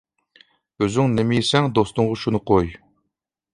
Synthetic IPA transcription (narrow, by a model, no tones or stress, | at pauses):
øzyŋnɪmɪjisɛŋd̪ost̪ʊŋʁɑʃunɨqʰoj